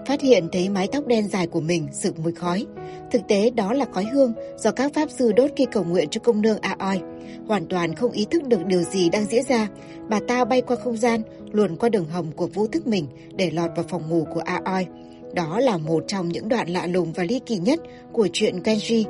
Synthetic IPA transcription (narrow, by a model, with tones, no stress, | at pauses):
faː˦˥t̚hḭ˧˨ənt̪ʰə˨˦jma˨˦jt̪a˦˥k͡p̚ɗɛ˧nzaː˨˩jku˧˩əmï˨˩ŋ̟sɨ˧˩mu˨˦jxɔ˨˦j | t̪ʰɨ˨˩k̚t̪e˨˦ɗɔ˨˦laː˨˩xɔ˨˦jɦɨ˧əŋz̥ɔ˨˧˩kaː˦˥k̚faː˦˥p̚zɨ˧ɗo˦˥t̚xi˧kə˨˩wŋwḭ˧˨ənt͡ɕɔ˧kə˧wŋ͡mnɨ˧əŋʔaː˧ʔɔ˧j | hwaː˨˩nt̪waː˨˩nxə˧wŋ͡mʔi˨˦t̪ʰɨ˦˥k̚ɗɨ˨˩ək̚ɗi˨˩əwzi˨˩ɗaː˧ŋzḭ˧˥ənzaː˧ | ɓaː˨˩t̪aː˧ɓa˧jkwaː˧xə˧wŋ͡mzaː˧n | lu˨˩ənkwaː˧ɗɨ˨˩əŋɦə˨˩wŋ͡mku˧˩əvu˧t̪ʰɨ˦˥k̚mï˨˩ŋ̟ | ɗe˧˩lwɔː˨˩t̚vaː˨˩wfɔ˨˩wŋ͡mŋu˧˩ku˧˩əʔaː˧ʔɔ˧j | ɗɔ˨˦laː˨˩mo˨˩t̚t͡ɕɔ˧wŋ͡mɲɨ̰˧˥ŋɗwa̰ː˧˨nla̰ː˧˨lʊ˨˩ŋ͡mvaː˨˩li˧kḭ˧˩ɲə˦˥t̚ | ku˧˩ət͡ɕwḭ˧˨ənkwɛ˧nzi˧